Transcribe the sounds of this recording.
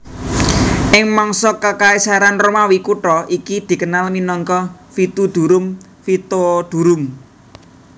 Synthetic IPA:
ʔɪŋmɔŋsɔkakaisaɾanromawikuʈɔʔikid̪̥i̤kənalminɔŋkɔfit̪ud̪̥ṳɾʊm | fit̪od̪̥ṳɾʊm

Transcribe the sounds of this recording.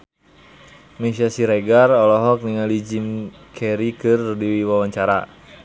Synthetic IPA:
mɛsasiɾeɡarɔlɔɦɔk̚niŋalid͡ʒim | kʰɛɾikɨrdiwiwawaɲt͡ʃaɾa̰

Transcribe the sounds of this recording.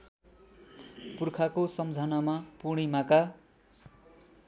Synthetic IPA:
purkʰakosʌmd͡zʱanamapuɽ̃imaka

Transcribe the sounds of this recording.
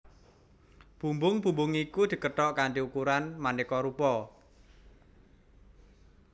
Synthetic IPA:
b̥ṳmbʊŋb̥ṳmbʊŋikud̪̥i̤kəʈɔʔkaɳʈiukuɾanmanikɔɾupɔ

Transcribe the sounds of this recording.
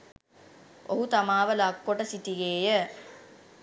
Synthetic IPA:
oɦut̪amaːʋəlakːoʈəsitiɡeːjə

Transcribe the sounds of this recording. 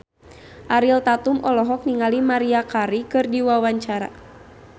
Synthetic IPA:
ʔaɾilt̪at̪umʔɔlɔɦɔk̚niŋalimaɾiakaɾikɨrdiwawaɲt͡ʃaɾa̰

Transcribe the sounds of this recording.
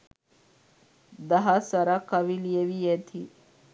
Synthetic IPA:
d̪ɐɦasɐɾakːɐʋilijeʋijet̪ʰi

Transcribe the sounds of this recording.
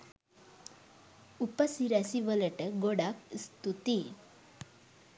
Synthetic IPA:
upəsiɾasiʋələʈəɡoɽakst̪ut̪i

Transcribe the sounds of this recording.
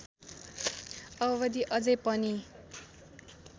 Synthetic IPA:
ʌbʌβʌd̪iʔʌd͡zʌjpʌni

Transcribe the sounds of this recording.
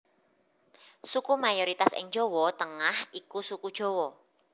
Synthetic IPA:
sukumajɔɾit̪asɪ̰ŋ̥d͡ʒowɔt̪əŋahʔikusukud̥ʒ̥o̤wɔ

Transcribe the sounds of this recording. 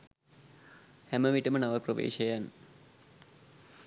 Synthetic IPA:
hemɐʋiʈːɐmɐnɐʋɐproʋḛːɕɐjan

